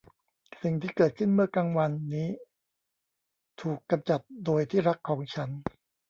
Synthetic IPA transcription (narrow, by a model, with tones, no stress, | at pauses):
si˨˩ŋt̪ʰiː˥˩kɤː˨˩t̪̚kʰɯ˥˩nmɯ˥˩ɐkaː˧ŋwa˧nːiː˦˥ | t̪ʰuː˨˩kːa˧mt͡ɕa˨˩t̪̚doː˧jt̪ʰiː˥˩ɾa˦˥kʰːɔː˩˦ŋt͡ɕʰa˦˥n